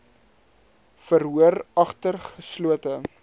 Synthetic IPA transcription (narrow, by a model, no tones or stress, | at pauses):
fərɦuərɐχtərχəsluətə